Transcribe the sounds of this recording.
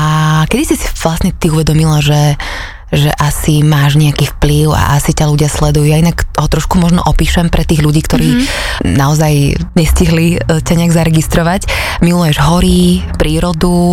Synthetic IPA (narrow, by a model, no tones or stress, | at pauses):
akɛd̪isisi̥ʋlasɲɛt̪iuʋɛd̪ɔmilaʒɛ | ʒɛʔasimaːʒɲɛakiːfpliʊa̰ʔasicaluɟɪaslɛd̪ujujainakɦɔt̪ɾɔʃkumɔʒnɔ̰ʔɔpiːʃɛmpɾʔɛt̪iːɣʎuɟiːkt̪ɔɾiːnaɔzajɲɛsciɦlicaɲɛaɡzaɾɛɡist̪ɾɔʋac | milujɛʒɦɔɾipɾiːɾɔd̪u